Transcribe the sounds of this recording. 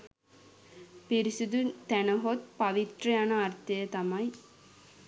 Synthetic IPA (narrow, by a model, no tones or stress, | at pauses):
piɾisud̪unt̪ænɐɦot̪̚pɐʋit̪ɾɐjɐnɐɐrt̪ɐjɐt̪ɐmɐj